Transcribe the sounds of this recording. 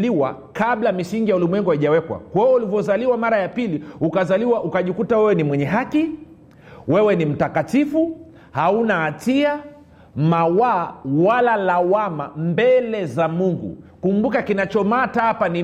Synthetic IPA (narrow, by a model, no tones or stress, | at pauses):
liwa̰ | kaɓlamisiŋɡijaulimwɛŋɡuhaiʄawɛkwa̰kwawɛulivjɔzaliwamaɾajapiliukazaliwaʔukaʄikutawɛwɛnimwɛɲɛɦaki | wɛwɛnim̩takatifu | haunaːtia | mawaːwalalawama̰mbɛlɛzamuŋɡṵkumbukakinat͡ʃɔmataapani